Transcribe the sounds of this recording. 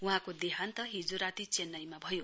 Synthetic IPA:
uɦãkod̪eɦant̪ʌɦid͡zoɾat̪it͡senːʌjmabʱʌjo

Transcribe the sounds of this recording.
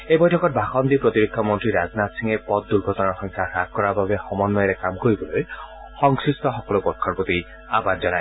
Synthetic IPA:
ejbɔjtʰɔkɔt̚bʱaxɔnd̪ipɹɔt̪iɹik̚ʰːɔmɔntɹiɹaznatsiŋɛpɔt̪̚d̪uɹɡʱɔtɔnaɔxɔŋkʰaxɾak̚kɔɹababɛxɔmɔnːɔjɾɛkamkoɹibɔloj | xɔŋsɹistɔxɔkɔlopɔɹkʰɔɹpot̪i | a̰badzɔnaj

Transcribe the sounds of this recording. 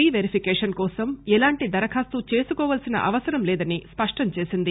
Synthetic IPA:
iʋeɾipʰikɛːʂɐnkɔːsɐmɛlaːɳʈid̪ɐɾɐkʰaːst̪ut͡ʃe̞ːsukɔːʋɐːlsinɐ̰ʔɐʋɐsɐɾɐmlɛːd̪ɐnispɐʂʈɐmt͡ʃe̞ːsind̪i

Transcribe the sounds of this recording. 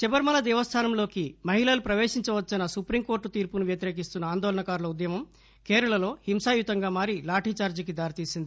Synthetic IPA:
t͡ʃibɐɾmɐlɐd̪ɛːʋɐst̪ʰaːnɐmlo̞ːkimɐɦilɐlupɾɐʋeːʂiɲt͡ʃɐʋɐt͡ʃːɐnɐsupɾimko̞ːɾʈːut̪iːɾpunuʋjɐt̪iɾeːk̬ist̪unːɐaːnd̪ɔːlɐɳɐkaːɾlɐud̪jɐmɐm | keːɾɐɭɐlo̞ːhimsaːjut̪ɐŋɡaːmaːɾilaːʈit͡ʃaːɾd͡ʒɐk̬id̪aːɾit̪iːsind̪i

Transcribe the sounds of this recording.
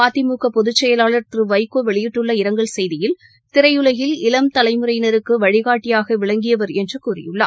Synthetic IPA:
aːt̪ɪmuːkɐpɔðɯt͡ʃːɛjɐlaːɭɐɾt̪rɯʋɐɪkːoːʋɛɭɪjɪʈːɯɭːɐɪɾɐŋɡɐɭsɛjðɪjɪl | t̪ɪɾɐɪjɯlɐjɪlɪlɐmt̪ɐlɐɪmɯɾɐjnɐɾɯkːɯʋɐɻɪɣaːʈːɪjaːɣɐʋɪɭɐŋɡɪjɐʋɐɾɛndrɯkuːrɪ̰jɯɭːɐ̰ː

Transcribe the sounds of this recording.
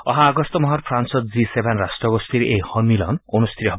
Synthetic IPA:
ɔɦãːɡɔst̪ɔmɔɦɔɾpʰɾansɔt̪d͡ʒisebʱenɾast̪ɾɔɡɔst̪iɾeʔehɔnilɔ̰noñust̪ʰiɾɔɦb

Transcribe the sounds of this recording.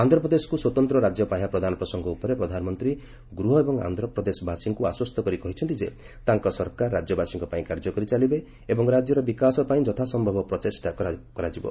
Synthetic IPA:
and̪ʱɾɔpɾɔd̪esɔ̥kuswɔt̪ɔnt̪ɾɔɾad͡ʒjɔpajapɾɔd̪ʱanɔpɾɔsɔŋɡɔupɔɾepɾɔd̪ʱanɔmɔnt̪ɾi | ɡɾuɦɔebɔŋa̰nd̪ʱɾɔpɾɔd̪esɔbʱasiŋkuaswɔst̪ʰɔkɔɾikɔɦit͡ʃʰɔnt̪id͡ʒe | t̪aŋkɔsɔɾkaɾːad͡ʒjɔbasiŋkɔpaĩkaɾd͡ʒɔkɔɾit͡ʃalibe | ebɔŋɾad͡ʒjɔɾɔbikasɔpaĩd͡ʒɔt̪ʰasɔmbʱɔbɔpɾɔtesʈakakɔɾad͡ʒibɔ̰

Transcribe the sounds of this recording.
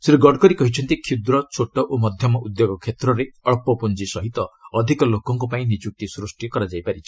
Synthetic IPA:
seɾuɡɔɖkɔɾikɔɦit͡ʃʰɔnt̪ikʰid̪ɾɔt͡ʃʰoʈɔʔomɔd̪ʱjɔmɔʔud̪joɡɔkʰːet̪ɾɔɾeɔɭpɔpund͡ʒisɔɦit̪ɔːd̪ʱikɔlokɔŋkupaĩnid͡ʒuk̚t̪isɾusʈikɔɾad͡ʒajpaɾit͡ʃʰi̥

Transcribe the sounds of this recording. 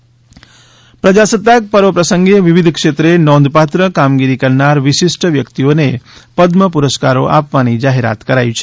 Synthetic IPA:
pɾəd͡ʒasət̪ːak̚pəɾʋəpɾəsəŋɡeʋiʋid̪ʱkʂet̪ɾenɔ̃nd̪pat̪ɾəkamɡiɾikəɾnaɾʋɪʃisʈəʋjəkt̪ionepəd̪məpuɾəskaɾo̰ʔa̰pʋanid͡ʒaɦeɾa̰t̪kəɾait͡ʃʰe̥

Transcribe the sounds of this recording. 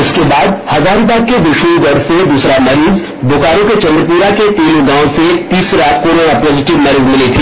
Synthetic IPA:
ɪskebaːd̪hɐzaːɾõpaːkkːeb̪ɪʃuːɡɔɾsed̪uːsɾamɐɾiːz | bʊkaːɾõket͡ʃɐ̃nd̪ɾəp̬uːɾaket̪iːlũɡãːwset̪iːsɾakoːɾoːnapɔːzɪʈɪʋmɛɾiːd͡ʒmɪlit̪ʰiː

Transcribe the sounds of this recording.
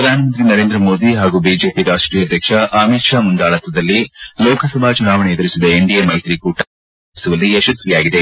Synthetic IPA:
pɾɐd̪ʱaːnɐmɐnt̪ɾinɐɾeːnd̪ɾɐmoːd̪iɦaːɡubiːd͡ʒe̞ːpiɾaːʂʈɾiːjɐd̪ʱjɐkʂɐʔaːmit̪ʂaːmund̪aːɭɐt̪ɾɐd̪ɐlːilɔːkʰɐsɐbʱaːt͡ʃunaːʋɐɳeɐd̪ɐɾisid̪ɐeɳɖijɐmɐjt̪ɾikuʈː | isuʋɐlːiɐʃɐsʋijaːɡid̪e

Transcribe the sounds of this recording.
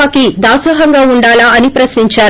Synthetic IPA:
aːkid̪aːsɐɦɐŋɡaːuɳɖaːlaɐnipɾɐsniɲt͡ʃaː

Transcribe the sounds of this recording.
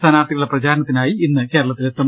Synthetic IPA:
anaːt̪ːiɣuɭɐprɐd͡ʑaːɾɐnɐt̪ːinaːjiinːɨke̞ːɾɐɭɐt̪ːilekt̪ːɐm

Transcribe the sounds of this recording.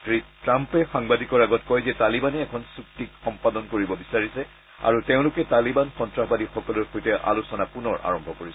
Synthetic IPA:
tɹitɹampɛxaŋbadʱikɔɹaɡɔtkɔjzɛtalibanɛːkʰɔnsuk̚tikxɔmpadɔnkoɹibɔbisaɹisɛ | a̰ɹuteʊ̃lʊkɛtalibanxɔntɹaxɔbadixɔkɔlɔɹxojtɛʔa̰lusɔnapunɔɹa̰ɹɔmbʱɔkoɹis

